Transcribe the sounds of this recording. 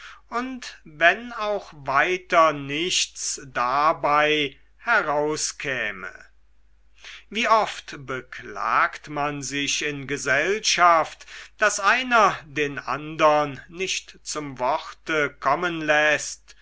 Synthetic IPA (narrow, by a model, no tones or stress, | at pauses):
ʊntvɛnaʊxvaɪtɐnɪʃtt͡sd̥abaɪ | hɛʁaʊskʰɛːmə̰ | viːʔɔftbəkla̰ːktmanzɪʃɪnɡəzɛlʃaftd̥asʔaɪnɐdeːnʔa̰ndɐnːɪʃtt͡sʊmvɔχtəkʰɔmənlɛst